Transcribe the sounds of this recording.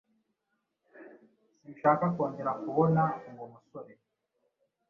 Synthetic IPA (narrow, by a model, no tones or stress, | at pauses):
simʃaːkakwo̞ːɲɟe̞ɾakuβonaŋɡomusoɾe